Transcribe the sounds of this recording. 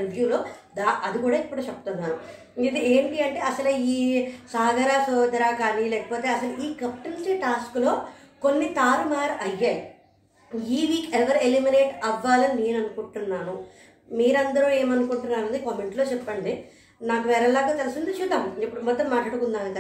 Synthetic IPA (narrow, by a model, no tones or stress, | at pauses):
julo̞ːd̪aːʔɐd̪ikuːɽaːipːuɽuːt͡ʃepːɐt̪unːaːnu | id̪ieːmʈiɐɳʈe̞ːɐsɐlɐiːsaːɡɐɾaːsɔːd̪ɐɾaːkaːniːlɛːkɐpoːt̪e̞ːɐsɐluʔiːkɐp̚ʈint͡ʃeːʈaːsklo̞ːko̞nːit̪aːɾumaːɾʔɐjːaːji | iːʋiːkeʋɐɾelimineːʈɐʋːaːlɐnine̞ːnɐnukuɳʈunːaːnu | miːɾɐnd̪ɐɾue̞ːmɐnukuɳʈunːaːnɐnd̪ikɐmeɳʈlo̞ːt͡ʃɛpːɐɳɖi | naːkuʋɛːɾɐlːaːɡaːt̪elusind̪it͡ʃud̪ɐmipːuɽumɔd̪ːɐmaːʈlaːɽukund̪aːnikɐ